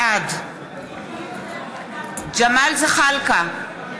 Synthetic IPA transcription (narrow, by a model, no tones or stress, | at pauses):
ad | d͡ʒɐmaːlziχalka